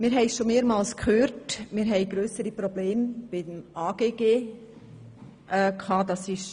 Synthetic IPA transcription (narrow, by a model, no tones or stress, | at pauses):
mɪːɾɦɛɪʃomeːəɾmɑːlskʰhøːɾtmɪːɾɦɛɪɡɾøːsəɾipɾɔbleːmb̥ɪd̪əmʔaːɡ̥eːɡeː | ʔɛkʰhɑːd̪ɑsɪʃ